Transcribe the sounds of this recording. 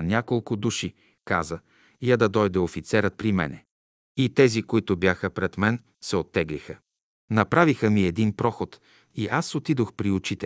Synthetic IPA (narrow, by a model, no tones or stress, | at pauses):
nʲakolˠkʊd̪uʃi | ka̰zə | jad̪ɐd̪ɔjd̪ɛofit̪sɛɾət̪̚pɾimɛ̰nɛ̰ | it̪ɛzikoit̪ʊbjaxəpɾɛt̪mɛn | sɛot̪ːɛɡlixə | nɐpɾavixəmiɛd̪inpɾɔxot̪ | iʔasot̪id̪oxpɾiʊt͡ʃit̪ɛ